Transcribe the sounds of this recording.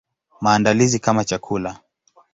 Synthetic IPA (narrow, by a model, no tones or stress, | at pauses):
maːndalizikamat͡ʃakʰula